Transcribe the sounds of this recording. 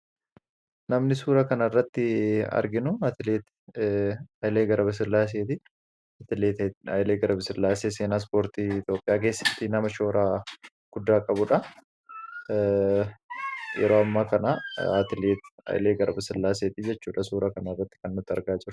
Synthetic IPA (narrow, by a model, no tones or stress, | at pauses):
nɐmnɪsuːɾɐkɐnɐɪrːɐt̪ːɪɐ̰ɾɡɪnʊat̪ɪleːt̪ | ɐjleːɡɐɾɐbɐs̬ɪlːaːs̬eːt̪ɪ | t̪ɪleːt̪ːɐjleːɡɐɾɐbɐsɪɾlːaːseːseːnaːs̬po̞ːɾt̪iːɪt̪jo̞ːpʼːɪjaːk̬e̞ːsːɐ̥t̪ːɪnɐmɐʃo̞ːɾaː | ɡ̥ʊd̪ːaːkʼɐbʊᶑɐ | jɛ̰ɾo̞ːɐmːaːkɐnɐa̰ːt̪ɪleːt̪ɐ̰jleːɡɐɾɐbɐsɪlːaːs̬eːt̪ɪd͡ʒɛt͡ʃːuːᶑɐsuːɾɐkɐnɐɪrːɐt̪ːɪ̥kɐnːʊt̪ːɪɐɾɡaːd͡ʒɪɾʊʊ